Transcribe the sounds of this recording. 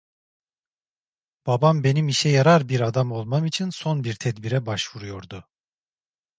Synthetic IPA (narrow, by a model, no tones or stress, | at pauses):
b̥abambe̞nimiʃɛjaɾaɾbiɾad̪amo̞lˠmamit͡ʃʰinso̞nbiɾt̪ʰɛd̪biɾɛbaʃvuɾujo̞ɾd̪ʊ